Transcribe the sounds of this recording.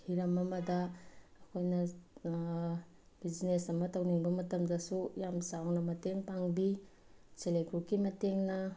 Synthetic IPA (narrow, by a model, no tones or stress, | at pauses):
hiɾɐmɐmɐdɐːkʰojnɐ | bid͡ʒnesɐmɐtɐwniŋbɐmɐtɐmdɐsujamsawnɐmɐteŋpaŋbi | selekukimɐteŋnɐ